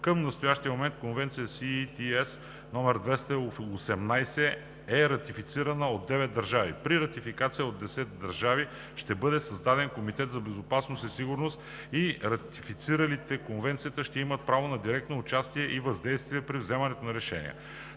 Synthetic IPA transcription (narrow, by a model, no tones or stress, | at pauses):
kəmnɐst̪ojaʃt̪iəmomɛnt̪konvɛnt̪sijəsit̪iɛs | nɔmɛɾd̪vɛst̪əosɛmnajsɛ | ɛɾɐt̪ifit̪siɾɐnəod̪ːɛvɛt̪̚d̪əɾʒavḭpɾiɾɐt̪ifikat̪sijəod̪ːɛsɛt̪̚d̪əɾʒavi | ʃt̪ɛbɤd̪ɛsɐzd̪ad̪ɛnkomit̪ɛt̪zɐbɛzopasnosisiɡʊɾnost̪ | iɾɐt̪ifit̪siɾəlit̪ɛkonvɛnt̪sijət̪əʃt̪ɛimət̪̚pɾavonɐd̪iɾɛk̚t̪noːt͡ʃast̪iɛʔivɐzd̪ɛjst̪viɛpɾivzɛmɐnɛt̪onɐɾɛʃɛ̰nʲḭə̰